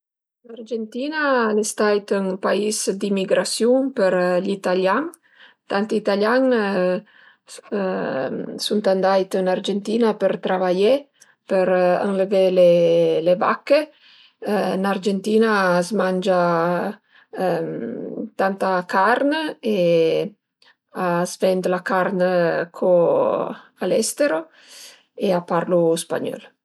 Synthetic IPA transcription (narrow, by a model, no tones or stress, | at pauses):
nard͡ʒent̪inalest̪ajt̪əŋpaisd̪imːiɡɾasjuŋpəɾʎit̪aljaŋ | t̪ant̪it̪aljaŋ | sunt̪and̪ajt̪ənaɾd͡ʒent̪inapəɾt̪ɾavaje | pəɾə̰ŋləveleleva̰kːe | nard͡ʒent̪iːnazmand͡ʒa | mt̪ant̪akaɾne | azvɛnd̪lakarnkʰo | alɛst̪eɾo | eapaɾluspa̰ɲɔ̰l